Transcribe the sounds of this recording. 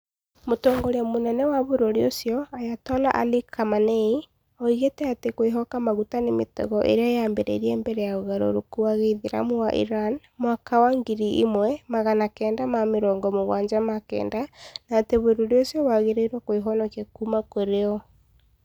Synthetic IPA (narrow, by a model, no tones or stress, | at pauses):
motɔːŋɡɔɾeamonɛnɛwaβoɾoɾeosjɔajatɔla̰ʔa̰likʰamanei | ɔiɣetɛatekweɦɔkamaɣutanemetɔ̰ɣɔʔḛɾeajambɛɾɛ̰ɾiɛmbɛɾɛjaoɣaɾo̰ɾokuaɣeðeɾa̰mowaʔḭɾan | mwakawaŋɡiɾiʔimwɛmaɣanakɛːndamameɾɔːŋɡɔmoɣwaːɲd͡ʒamakɛ̰ːndanaːteβoɾoɾeosjɔwaɣeɾeiɾwakoeɦɔnɔkjakumakoɾeɔ